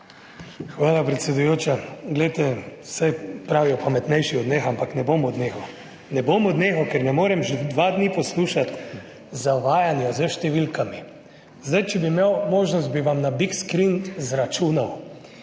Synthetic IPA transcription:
xʋaːlapɾɛt̪sjɛd̪ujoːt͡ʃaɡlɛjt̪ɛsajpɾaːʋiɔpamɛt̪nɛjʃiɔd̪neːxampaknɛbomɔd̪neːxɔ | nɛbomɔd̪nexɔkɛɾnɛmoːɾɛmʒed̪ʋad̪nipɔsluːʃat̪ | zaʋaːjanjɔzəʃt̪ɛʋilkami | zd̪ajt͡ʃɛbimewmoːʒnɔst̪̚biʋamnabikskɾinzɾat͡ʃuːnaw

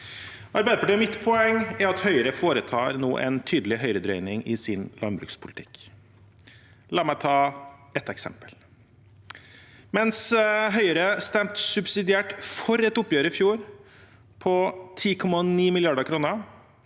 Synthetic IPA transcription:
ʔɑɾbæɪd̪əpʰɑʈiːɔmɪt̪pʰɔɛŋːæɾɑt̪hœʏəɾəfoːɾət̪ʰɑːɾno̰ːʔɛ̰nt̪ʰyːd̪əlɪɦœʏɾəd̪ɾœʏnɪŋɪsɪnlɑnbɾʉ̰ːkspʰʊlt̪ʰɪ̥k | lɑːɾmæɪt̪ʰɑːɛt̪ːɛksɛ̰mpə̥l | mɛnsɦœʏəɾəst̪ɛmt̪sʉbsɪd̪ɪæːʈfɔɾɛt̪ʊpːjøːɾəɪfjuːɾ | pʰɔt̪ʰiːkʰɔmːɑniːmɪljɑɖəkʰɾuːnə

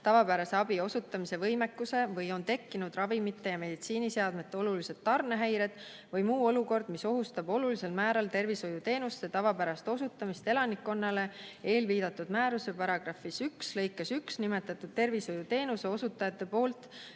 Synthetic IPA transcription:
t̪ɑvɑpæɾɑse̞ɑbio̞sut̪ːˑɑmise̞vɤjmekːuse̞vɤjont̪e̞kːinud̪̥rɑvimit̪ːˑe̞jɑme̞d̪̥it̪siːniseɑd̪me̞t̪ːˑe̞o̞lulise̞t̪ːɑrne̞ɦæjɾe̞d̪̥ | vɤjmuːo̞luko̞rd̪̥miso̞ɦust̪ɑbo̞lulise̞lmæːɾɑlt̪e̞rviso̞jut̪e̞ːnust̪ːet̪ɑvɑpæɾɑst̪o̞sut̪ːˑɑmist̪e̞lɑnikːo̞nːɑle̞e̞ːlviːd̪̥ɑt̪ːˑud̪̥mæːɾuse̞pɑɾɑɡ̥rɑfisykslɤjkːˑesyksnime̞t̪ːˑɑt̪ːˑud̪̥̚t̪e̞rviso̞jut̪e̞ːnuse̞o̞sut̪ːˑɑjɑt̪ˑːe̞po̞ːlt̪ˑ

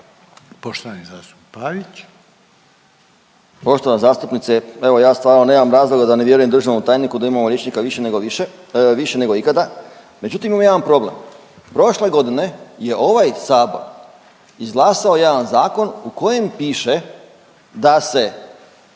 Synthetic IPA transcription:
poʃt̪oʋanizaːst̪u̥ppaʋit͡ɕ | po̞ʃt̪o̞ʋanzaːst̪upnit̪see̞ʋo̞jaːst̪ʋaːɾnoneːmamɾaːzlˠo̞ɡad̪aneʋje̞ɾujed̪ɾ̩ʒiomut̪aːjnikud̪aimamoljet͡ʃnikaʋiʃeneɡo | ʋiʃene̞ɡo̞ikad̪a | me̞d͡ʒut̪imimamojeʋanpɾo̞ble̞̰m | pɾo̞ʃle̞ɡo̞d̪ine̞je̞ʔo̞ʋajsaːboɾ | izɡlˠaːsao̞jaːdanzaːko̞nuko̞je̞mpiːʃe | d̪ase̞

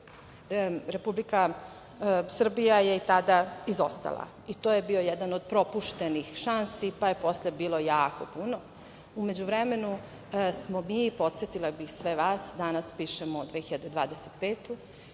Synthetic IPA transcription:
ɾe̞publika | sr̩bijaje̞it̪ad̪aizo̞st̪a̰lˠa̰ | it̪oːjebio̞jɛd̪anod̪̚pɾo̞puʃt̪enixʃansipajepo̞slebiːlˠo̞jaːkopuno | ume̞d͡ʑuʋɾeme̞nu | smomipo̞t̪set̪ilabixsʋeʋaːsd̪anaspiːʃemod̪ʋexiʎad̪ed̪ʋa̰ːd̪eset̪peːt̪u

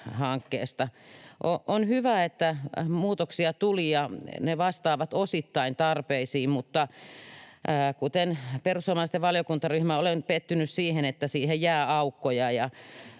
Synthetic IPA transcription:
hɑŋkːḛːst̪ɑʔoʔonhyʋæet̪ːæmuːt̪oksiɑt̪ulijɑneʋɑst̪ɑːʋɑt̪osit̪ːɑint̪ɑrpeisiːmmut̪ːɑ | kut̪enperusoːmɑlst̪eʋʋɑljokunt̪ɑryhmæolenpet̪ːynyssiːhenet̪ːæsiːhejjæːɑukːojɑjɑ

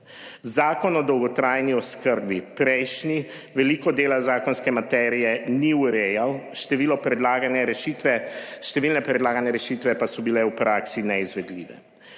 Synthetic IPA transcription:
zaːkɔnɔd̪ɔwɡɔt̪ɾaːjniɔskəɾbipɾɛjʃni | ʋɛliːkɔd̪eːlazaːkɔnskɛmat̪ɛːɾijɛniuɾɛjawʃt̪ɛʋiːlɔpɾɛd̪laɡanaɾɛʃit̪ʋɛʃt̪ɛʋiːlnɛpɾɛd̪laːɡanɛɾɛʃit̪ʋɛpasɔbilɛwpɾaːksinɛizʋɛd̪lḭːʋɛ̰

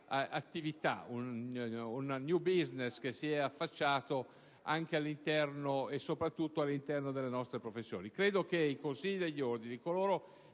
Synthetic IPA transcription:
at̪ːivit̪a̰ununnjubiznesk̟esːiɛafːat͡ʃːaːt̪o | aŋk̟ealːint̪ɛrnoesːopɾat̪ːut̪ːoalːint̪ɛrnod̪elːenɔst̪ɾepɾofesːjo̰ːnikɾeːd̪okeikonsiʎːid̪eʎːiord̪inikoloːɾo

